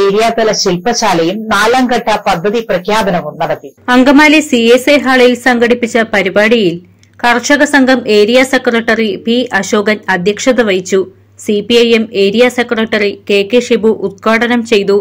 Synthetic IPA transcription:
eːɾijaːt̪ɐlɐɕilpɐɕaːlɐjumnaːlaːŋɡɐʈːɐpɐd̪ʱːɐðiprɐkʰjaːd̪ɐnɐʋumnɐɽɐt̪ːiɐŋɡɐmaːlisieseɦaːɭɐjilsɐŋɡɐɽipːit͡ɕːɐpɐɾibaːɽijil | kɐrʂɐɣɐsɐŋɡʱɐme̞ːɾijasekːrɐʈːɐripiʔɐɕo̞ːɡɐnɐd̪ʱjɐkʂɐðɐʋɐjt͡ɕːu | sipiɐjeme̞ːɾijasekːrɐʈːɐrike̞ːkːeʂibuʔut̪̚kaːɽɐnɐmt͡ɕe̞jt̪u

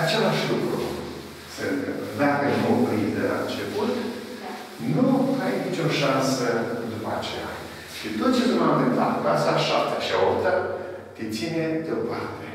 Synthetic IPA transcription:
at͡ʃe̞laʃʲlukɾṵ | səveaɡənoplid̪ela̰nt͡ʃe̞put̪ | nuajnit͡ʃʲo̞ʃansəd̪upat͡ʃe̞ja̰ | ʃit̪ot̪̚t͡ʃekunamvɨnt̪at̪kasaʃap̚t̪ḁʃiaopt̪a | t̪et̪sine̞d̪eo̞part̪e

